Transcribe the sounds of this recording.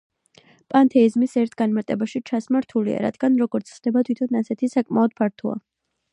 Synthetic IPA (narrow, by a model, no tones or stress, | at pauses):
pʼant̪ʰɛizmisɛɾt̪ʰɡanmaɾt̪ʼɛbaʃit͡ʃʰasmaɾt̪ʰulḭa̰ɾa̰d̪̥ɡanɾɔɡɔɾt̪sʰχd̪ɛbat̪ʰwit̪ʰɔnasɛt̪ʰisakʼmaɔd̪̥̚pʰaɾt̪ʰɔa̰